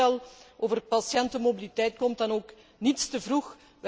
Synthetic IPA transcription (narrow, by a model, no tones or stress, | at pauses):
ɑlˠʔoːvərpɑsjɛntəmobilitɛjt̚kɔmt̚dɑnoːk | nitstəvrux | ʋ